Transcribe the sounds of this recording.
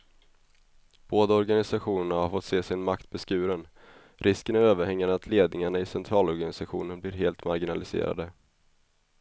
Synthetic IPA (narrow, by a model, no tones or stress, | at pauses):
b̥oːd̪aɔɾɡanɪsaɧuːnəɳahaɾfɔt̪seːsɪnmakt̪̚bɛskʉ̟ːɾən | ɾʔɪskənæɾøːvəɾhɛŋːad̪əat̪ʰleːd̪̚nɪŋaɳaɪsɛnt̪ʰɾɑːlɔɾɡanɪsaɧṵːnənbliːɾɦeːlt̪maɾɡɪnalɪsḛːɾa̰d̪ə